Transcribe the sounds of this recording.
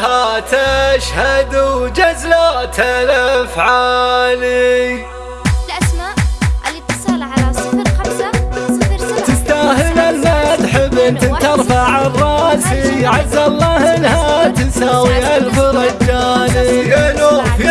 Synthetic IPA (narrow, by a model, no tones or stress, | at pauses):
at̪aʃhad̪ud͡ʒazlat̪ʰalafʕaːli | t̪ɪst̪aːhɪlalmat̪ħɪbːʔɪnt̪ɪnt̪ɑɾˤfaʕarˤːɑːsiʕazːalˤːɑːhɪnhat̪ɪsaːwialfɑɾˤɑd͡ʒaːniʔɪnufi